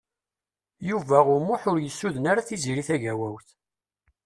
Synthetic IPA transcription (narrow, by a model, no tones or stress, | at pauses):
juvæʁʊmʊħʊɾjəsːuðənaɾaθiziɾiθæʝæwæwθ